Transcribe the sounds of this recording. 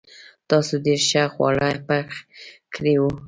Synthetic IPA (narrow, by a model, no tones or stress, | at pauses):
t̪ɑsod̪eɾʃaxwa̰ɽajpakkɽewu